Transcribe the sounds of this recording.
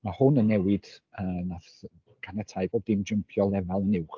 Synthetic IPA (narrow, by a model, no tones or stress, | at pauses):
mahʊnənːɛwɪd̥əːnaθ | ɡ̥anətʰajbodɪmd͡ʒəmpʰjɔlˠɛvalˠənɪwχ